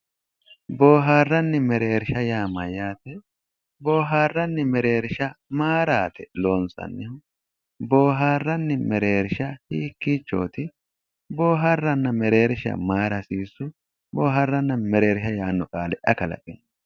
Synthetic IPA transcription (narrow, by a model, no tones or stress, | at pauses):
boːɦaːrːɐnːɪmɛɾe̞ːɾɪʃɐjaːmɐjaːt̪ɛ | bo̞ːɦaːrːɐnːɪmɛɾeːɾʃɐmaːɾaːt̪ɛloːnsɐ̰nːɪhʊ | bo̞ːɦaːrːɐnːɪmɛɾe̞ːɾʃɐhiːkːiːt͡ʃːo̞̰ːt̪ɪ | bo̞ːɦɐrːɐnːɐmɛɾe̞ːɾʃɐ̰maːɾɐsiːsːʊ | boːɦɐrːɐnːɐmɛɾe̞ːɾʃɐjaːnːɔkʼaːlɛʔɐkɐlɐ̰pʼɪn